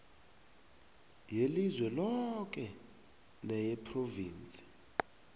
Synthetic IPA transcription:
jelizwɛlɔkɛ | nɛjɛpʰroviːnt͡sʼi̥

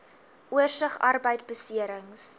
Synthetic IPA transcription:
ʔuərsəχɐrbəjt̚bəsiəɾəŋs

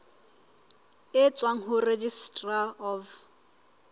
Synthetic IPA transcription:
ɪt͡sʼwaŋ̩ɦʊred͡ʒistʼraɔv

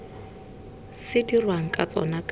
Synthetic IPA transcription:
sɪdirwaŋ̩kʼat͡sʼɔ̰nakʼ

